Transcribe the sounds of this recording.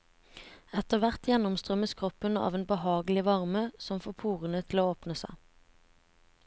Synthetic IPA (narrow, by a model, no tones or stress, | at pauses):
ɛt̪əʁʋæʁt̪jɛnʊmst̪ʁœməskʰʁɔpənɑ̰ːʋeːnbəhɑːɡəlɪʋɑʁməsɔmfoːpʰuːʁənət̪ʰɪl̩oːoːpnəsæ̰ɪ